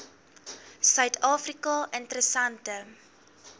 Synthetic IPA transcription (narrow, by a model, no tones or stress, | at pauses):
sœɥtʰɑːfrikɑʔəntəɾəsɐntə